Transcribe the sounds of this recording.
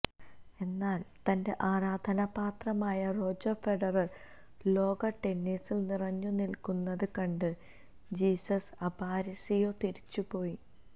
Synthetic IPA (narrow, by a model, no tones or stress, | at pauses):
e̞nːaːlt̪ɐnde̞ʔaːɾaːd̪ʱɐnɐpaːt̪rɐmaːjɐro̞ːd͡ʑɐfe̞ɖɐrɐr | lo̞ːɡɐʈe̞nːisilnirɐɲːunilkunːɐðɨkɐɳɖɨ | d͡ʑiːsɐsɐbaːɾɐsijo̞ːt̪iɾit͡ɕːupo̞ːji